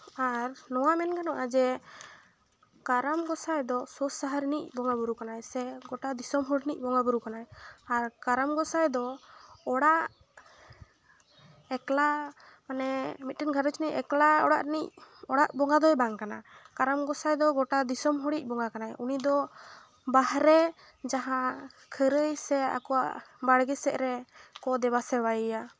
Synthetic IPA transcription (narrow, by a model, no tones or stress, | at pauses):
aɾnɔwamɛnkanɔʔad͡ʒɛ | kaɾamɡɔsajd̪ɔsɔsaɦaɾinic̚bɔŋabuɾukanajsɛɡɔʈad̪isɔmɦɔɽinic̚ˀbɔŋɡabuɾukanajaɾkaɾamɡɔsajd̪ɔɔɽaʔ | ɛkla | manɛmit̪̚ʈənɡʱaɾət͡ʃnicɛ̰klaɔɽaʔnic̚ɔɽaʔbɔŋɡad̪ɔjbaŋkana̰kaɾamɡɔsajd̪ɔɡɔʈad̪isɔmɦuɽic̚ˀbɔŋakanajunid̪ɔ | baɦɾɛ | d͡ʒaɦã | kʰəɾəjsɛa̰kɔwa̰ʔbaɽɡɛsɛʔɾɛkɔd̪ɛbasɛbajəja